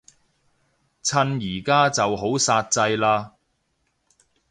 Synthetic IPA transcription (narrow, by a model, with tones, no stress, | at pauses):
t͡sʰɐ˧njiː˨˩kaː˥t͡sɐ˨wɦo˨˥wsaː˧t̚t͡sɐ˧jlaː˧